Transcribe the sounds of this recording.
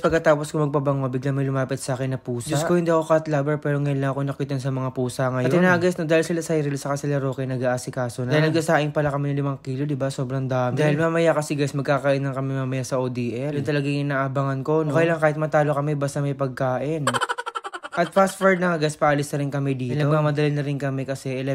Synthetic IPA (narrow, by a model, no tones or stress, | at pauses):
pɐɡ̚kɐt̪aːposkomɐɡ̚pɐbɐŋobɪɡlaŋmɐjlʊmaːpɪt̪sɐʔaːkɪnːɐpuːsd͡ʒʊskojʊnd̪ɐkokat̪labɛɹpɛːɾoŋɐjonlɐŋɐkonɐk̚ːɪt̪ːonsɐmɐŋapuːsɐŋɐjɐot̪ɪnaʔɐɡɛsnod̪aːhɪlsɪlasɐjɾɪlsɐkɐsɪlɐɾo̞ːkɛnɐɡaʔaːsɪkaːsonaːhɪlnɐɡkɐsaːʔɪŋpɐlakɐmɛnɐlɪmaŋkiːlod̪ɪbaso̞ːbɾɐŋd̪aːmd̪aːhɪlmamɐjakɐsɛɡasmɐɡkakaːʔɪnːɐŋkɐmɛmaːmɐjasɐʔoːd̪iːʔɛlʊt̪ɐlɐɡaŋʔɪnaːʔɐbaŋɐnkonokɐjlaŋkaːhɪt̪̚mɐt̪aːlokɐmɛbast̪ɐmɐjpɐɡ̚kaːʔɪn | ʔɐt̪̚fast̪fɐɹd̪nɐŋʔɐɡaspɐʔɐlɪsnɐɾɪnkɐmɛd̪iːtlɐomaŋmɐd̪ɐlɪlnɐɾɪnkɐmɛkɐsɛʔɛ